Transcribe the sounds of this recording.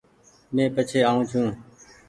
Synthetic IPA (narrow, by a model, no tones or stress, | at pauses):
mẽːpət͡ʃʰeːaːũːt͡ʃʰũː